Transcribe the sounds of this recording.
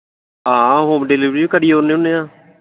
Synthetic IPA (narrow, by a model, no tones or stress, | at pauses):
ãːɦoːmɖeːliːbɾiːbiːkəɽiːɦoːɾneːʊnːeːãː